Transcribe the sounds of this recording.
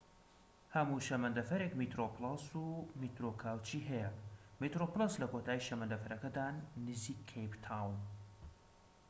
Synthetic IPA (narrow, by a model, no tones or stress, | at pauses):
hɐmuʃɐmɐnd̪ɐfɐɾekmit̪ɾoplˠasumit̪ɾokʰaːwt͡ʃiːɦɛjɛmit̪ɾoplˠaslɐkot̪ʰaːjiʃɐmɐnd̪ɐfɐɾɐkɐd̪aːnːɨziːkʰːejpt̪ʰaːwn